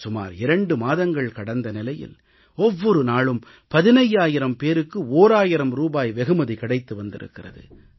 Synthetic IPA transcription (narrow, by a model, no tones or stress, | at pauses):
sʊma̰ːɾɪɾɐɳɖɯmaːðɐŋɡɐɭkɐɽɐnd̪ɐnɪlɐjɪ̰l | ɔʋːɔɾɯnaːɭɯm | pɐðɪnɐjːaːjɪɾɐmpeːɾɯkːɯoːɾaːjɪɾɐmɾuːbaːjʋɛɣɯmɐðikɐɽɐɪt̪ːɯʋɐnd̪ɪ̰ɾɯ̰kːɪrɐ̰ðɯ̰